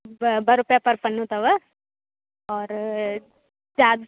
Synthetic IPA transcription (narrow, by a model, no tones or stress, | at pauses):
bɐɾʊpjapɐɾpɐnːut̪ɐʋə | ɔːɾ | d͡ʒaːd̪